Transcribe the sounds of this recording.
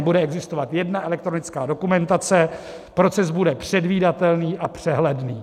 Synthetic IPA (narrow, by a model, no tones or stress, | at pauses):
budɛɛɡzɪst̪ovat̪jɛdnaʔɛlɛk̚t̪ɾonɪt͡skaːdo̞kumɛnt̪at͡sɛ | pɾo̞t͡sɛzbudɛpr̝̥ɛdviːdat̪ɛlniːʔapr̝̥ɛɦlɛdniː